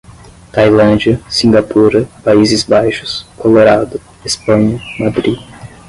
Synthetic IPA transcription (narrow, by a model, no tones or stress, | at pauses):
t̪ajlɐ̃d͡ʒiɐsĩŋɡapuɾɐpaizɪzbajʃʊ̥skoloɾad̪ʊ | espɐ̃ɲɐmad̪ɾi